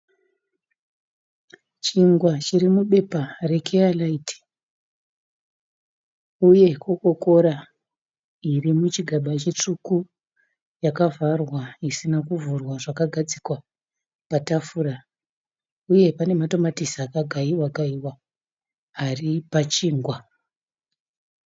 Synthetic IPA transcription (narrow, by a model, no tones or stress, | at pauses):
t͡ʃiŋɡwat͡ʃiɾimuɓe̞pare̞kʰealaitʰi̥ | uje̞koko̞ko̞ɾa | irimut͡ʃiɡʱaɓat͡ʃet͡ʂuku | jakavʱarwaisinakuvurwaʐakaɡʱad͡zikwa | patafuːɾa | uje̞pane̞mato̞matisiakaɡʱaiwaɡaiwa | aripat͡ʃiːŋɡwa